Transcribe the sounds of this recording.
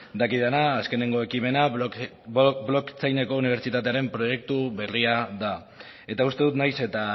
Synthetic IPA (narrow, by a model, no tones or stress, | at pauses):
d̪akiðanaːske̞ne̞ŋɡo̞e̞kime̞na | blokt͡sajne̞ko̞uniβe̞ɾt͡ʃit̪at̪e̞aɾe̞mpɾo̞je̞k̚t̪uβe̞riaða | e̞t̪aust̪e̞ðut̪najse̞t̪a